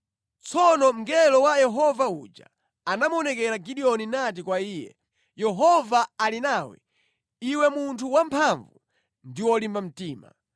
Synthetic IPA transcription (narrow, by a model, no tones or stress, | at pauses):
t͡sʰɔnɔm̩ɡɛlɔwajɛɦɔvaṵd͡ʒa̰ | anamɔnɛkɛɾaɡiɗiɔninat̬ikwaiːjɛ̰ | jɛɦɔvaalinaːwɛ̰ | iwɛmuntʰuwampʰaɱvu | ndiwɔlimbam̩tiːma̰